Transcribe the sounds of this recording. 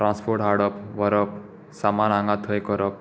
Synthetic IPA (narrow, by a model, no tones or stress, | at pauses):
ʈɾãnspʰoɾʈɦaɾɽʌpʋʌɾʌp | samanaŋɡat̪ʰʌjkʌɾʌp̚